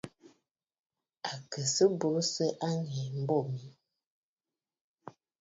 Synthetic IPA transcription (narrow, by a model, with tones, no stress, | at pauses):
a˨kə˨sə˦bo˨˦sə˦ʔa˦ŋɛ˨m̩˨˦bɔ˦˨mi˨˦